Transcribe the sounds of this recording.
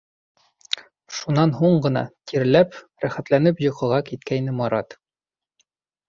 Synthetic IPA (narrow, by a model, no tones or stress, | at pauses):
ʃunːɑnɦuɴɢɤ̆nɑ̰t̪ʰiɾlæp | ɾæχæt̪lænɘpjŏqɤ̆ʁɑkit̪̚kæjnɘmɒɾɑt̪